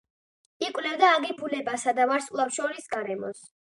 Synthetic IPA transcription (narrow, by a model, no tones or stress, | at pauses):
ikʼwvlɛvd̪aːɡipʰulɛbasad̪avaɾskʼlˠafʃɔɾisɡaɾɛmɔ̰s